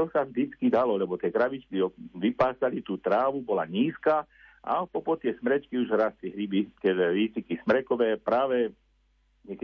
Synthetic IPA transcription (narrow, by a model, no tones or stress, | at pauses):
ɔsaʒd̪it͡skid̪alɔlɛbɔt̪ɪɛkɾaʋit͡ʃkiɔʋipaːsalit̪uːt̪ɾaːʋubɔlaɲiːska | ʔa̰pɔpɔt̪ɪɛsmɾɛt͡ʃkiuʒɾast̪liɦɾibit̪ɪɛɛɾiːsikismɾɛkɔʋɛːpɾaːʋɛ | ɲɛk